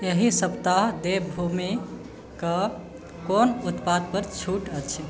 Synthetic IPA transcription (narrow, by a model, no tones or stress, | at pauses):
eɦisəpt̪aɦd̪ebʱumi | kə | konut̪pad̪̚pəɾt͡ʃʰuʈət͡ʃʰ